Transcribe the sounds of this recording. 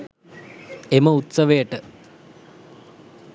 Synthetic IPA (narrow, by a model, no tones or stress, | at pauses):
eməut̪sɐʋejəʈə